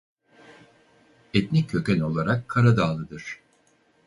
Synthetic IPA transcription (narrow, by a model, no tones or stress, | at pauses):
ɛt̪nicʲʰːø̞cʲɛno̞lˠaɾakʰːaɾad̪aːlˠɯd̪ɯɾ̥